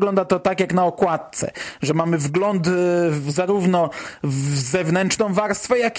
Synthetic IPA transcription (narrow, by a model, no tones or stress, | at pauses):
ɡlɔnd̪at̪ɔt̪akʲjaknaɔkwat̪̚t̪sɛ̰ʐɛmamɘvɡlɔnt̪zaɾuvnɔvzɛvnɛntʂnɔ̃w̃vaɾst̪fɛjak